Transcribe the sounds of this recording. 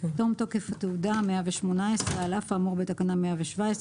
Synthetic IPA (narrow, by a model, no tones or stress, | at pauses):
tomt̪okefat̪eudameaveʃmo̞naesʁealafaːmoʁbet̪akanameaveʃvaes